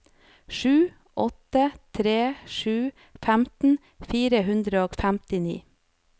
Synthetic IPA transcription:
ʃʉː | ʔɔt̪ət̪ʰɾeːʃʉː | fæmt̪n̩ | fiːɾəɦʉnd̪ɾəoːfæmt̪ɪnḭː

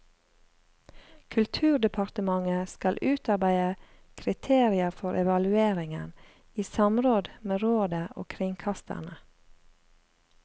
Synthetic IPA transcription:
kʰʉlt̪ʰʉːɖ̪ɛpʰɑɾt̪əmɑŋəskɑlʔʉːt̪ɑɾbæɪə | kʰɾɪt̪ʰeːɾɪəfɔɾʔɛʋɑlʉeːɾɪŋən | iːsɑmɾoːd̪meːɾoːd̪əʔo̰ːkʰɾɪŋkʰɑst̪ə̰ɳə

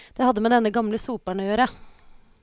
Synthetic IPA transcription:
d̪̥ɛhɑd̪ːəmɛːd̪ɛnːəɡɑmləsuːpæɳəjøːɾə

